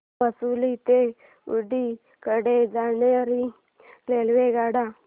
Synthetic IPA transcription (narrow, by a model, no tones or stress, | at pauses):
əsulit̪e | ṵɖi | kəɽed͡zaneəɾi | lelʋeɡaɽa